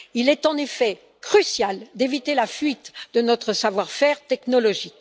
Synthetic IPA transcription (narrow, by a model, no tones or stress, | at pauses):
ilɛt̪ɑ̃nefɛ | kχysjald̪evit̪elafɥit̪d̪ənɔt̪χəsavwaʁfɛʁt̪ɛknɔlɔʒik